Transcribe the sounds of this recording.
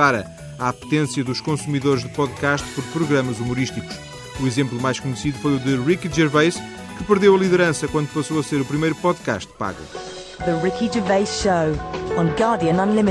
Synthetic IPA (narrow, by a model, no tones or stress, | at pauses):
aɾɐ̰ | apu̥t̪ẽsjɐðuʃkõsumiðoɾʒðɨpɔðkaʃt̪pɔɾpɾuɣɾɐmɐzumuɾiʃt̪iku̥ʃ | uizẽmplˠumajʃkuɲsiðufojuðɨʁikid͡ʒɛɾvejʃ | kɨpɨɾðewɐlˠiðɨɾɐ̃sɐkwɐ̃nd̪upɐsoɐseɾupɾimɐjɾupɔðka̰ʃt̪̚pa̰ɣṵ | ðəɹɪkid͡ʒəveɪsʃəʊə̃nɡɑːdiə̃nə̃nlɪmɪ